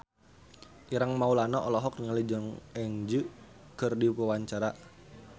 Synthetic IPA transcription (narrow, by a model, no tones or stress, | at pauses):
ʔiɾaŋmaulanaʔɔlɔɦɔkɲalid͡ʒɔŋɛŋd͡ʒɨ | kɨrdipəwaɲt͡ʃaɾa